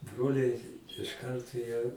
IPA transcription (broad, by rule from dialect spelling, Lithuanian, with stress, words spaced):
ˈbroːlʲɛɪ ɪʃ ˈkɐrtoː jiɛ